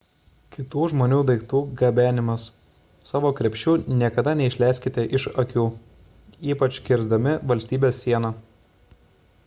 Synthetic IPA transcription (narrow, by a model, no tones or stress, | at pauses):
kʲɪt̪uːʒmoːnʲuːd̪ɐɪk̚t̪uːɡɐbʲæːnʲɪmɐs | sɑːʋoːkɾʲɛpʲʃʲt͡ʃʲuːnʲiɛkɐd̪ɐnʲɛɪʃʲlʲæɪsʲkʲɪt̪ʲɛʔɪʃɐkʲuː | iːpɐt͡ʃʲkʲɪɾzd̪ɐmʲɪʋɐlʲsʲt̪ʲiːbʲeːsːʲiɛnɑ